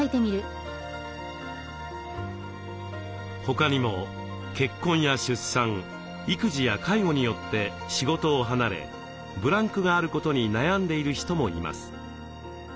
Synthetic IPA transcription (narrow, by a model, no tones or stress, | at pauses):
it̪e̞mʲiɾɯ̟ | ho̞kaɲ̟imo̞ | ke̞kːõ̞ɰ̃jaɕɨsːãŋ | ikɯ̟ʑijakʰaiɡo̞ɲ̟ijo̞t̪ːe̞ | ɕiɡo̞t̪o̞ːɦanaɾe̞̰ | bɯ̟ɾãŋkɯ̟ɡaːɾɯ̟ko̞t̪o̞ɲ̟inajãnd̪e̞iɾɯ̟çi̥t̪o̞mo̞ima̰sɨ̥